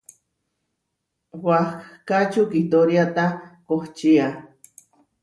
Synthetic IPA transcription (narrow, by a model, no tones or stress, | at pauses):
wahkat͡ʃukit̪oɾjat̪akoht͡ʃia